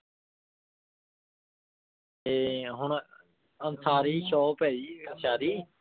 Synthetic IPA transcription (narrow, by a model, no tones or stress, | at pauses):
eːɦʊɳ | ənsaːɾiːʃoːpɛːiːɡəʃaːɾiː